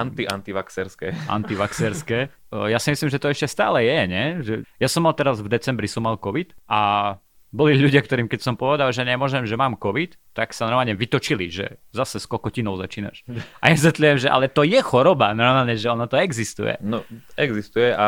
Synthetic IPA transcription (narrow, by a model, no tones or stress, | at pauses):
ant̪iʔant̪iʋaksɛɾskɛːʔa̰nt̪iʋaksɛɾskɛː | jasimislimʒɛt̪ɔɛʃcɛst̪a̰ːlɛjɛɲɛʒɛjasɔmːalt̪ɛɾazvd̪ɛt͡sɛmbɾisɔmːalkɔʋit̪ʔa | bɔliʎuɟɪak̚t̪ɔɾiːmkɛcsɔmpɔʋɛd̪alʒɛɲɛmɔʒɛmʒɛmaːmkɔʋit̪ | t̪ːaksanɔɾmaːlɲɛʋit̪ɔt͡ʃiliʒɛ̰zasɛskɔkɔcinɔʊzat͡ʃiːna̰ʃʔaɲɛs̬ʋɛt̪lujɛmʒɛʔa̰lɛt̪ɔjɛxɔɾɔbanɔɾmaːlɲɛʒɛɔnat̪ɔɛɡzist̪ṵjɛ̰nɔɛɡzist̪ujɛʔa